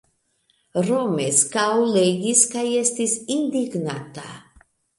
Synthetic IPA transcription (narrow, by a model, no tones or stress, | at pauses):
ɾɔmɛskaɔlɛɡiskʰajɛst̪ʰisind̪iɡnat̪ʰʼa̰